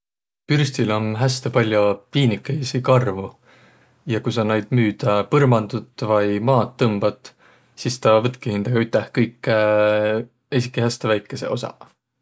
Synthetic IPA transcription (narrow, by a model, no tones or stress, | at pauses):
pyrst̪ilo̞nɦæst̪e̞pɑlʲjopiːnikːˑejsikɑrvu | jɑkujs̬ɑnɑjd̪̥myːd̪̥ɑpɤrmɑnd̪̥ut̪ːˑvɑjmɑːt̪ːɤmb̥ɑt̪ˑ | sist̪ɑvɤt̪̚kihind̪̥ɑɡ̥ɑyt̪ˑːehkɤjkːˑ | esikːˑihæst̪evæjkːˑe̞se̞̰ʔo̞̰sɑ̰